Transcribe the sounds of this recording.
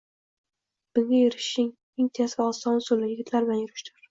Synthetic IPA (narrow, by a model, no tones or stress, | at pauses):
b̥ɪŋajʊɾɪʃɪŋ | ɪŋt̪ʰesvaɒsɒnsʊlːɪjɪɡʲɪt̪ʰlaɾbɪlanjʊɾɪʃt̪ʰʊɾ